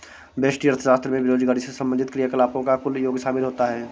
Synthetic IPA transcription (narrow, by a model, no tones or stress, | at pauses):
beːsʈiəɾt̪ʰəɾaːst̪ɾəmẽbɪloːd͡ʒɡaːɽisesə̃mbə̃nd̪ɪt̪kɾijakəlaːpõkakʊljoːɡjʃaːmɪlɦoːt̪aɦɛː